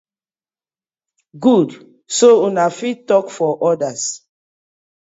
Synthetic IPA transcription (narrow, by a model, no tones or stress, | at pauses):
ɡud | sounafittːɔkfɔʔɔdas